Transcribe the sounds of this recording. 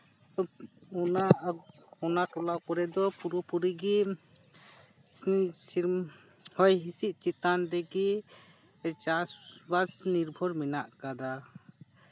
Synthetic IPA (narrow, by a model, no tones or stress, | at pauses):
ɔna | ɔnaʈɔlakɔɾɛd̪ɔpuɾupuɾiɡi | siɾ | hɔjɦisiʔ̪̚ˀt͡ʃit̪and̪ɛɡi | t͡ʃasbasniɾbʱɔɾmɛnaʔkad̪a